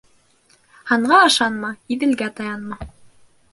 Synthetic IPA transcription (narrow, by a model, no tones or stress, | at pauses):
hɑɴɢɑɑʃɑnmɑiðɘ̆lɡæt̪ɑjɑnmɑ